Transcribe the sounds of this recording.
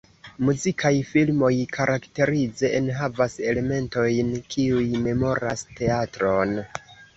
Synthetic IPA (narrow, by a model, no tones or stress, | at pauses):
muzikʰajfilmo̞jkʰaɾʔakte̞ɾid͡ze̞ːnɦavase̞le̞me̞nto̞jnkʰiujme̞mo̞ɾaste̞atɾo̞n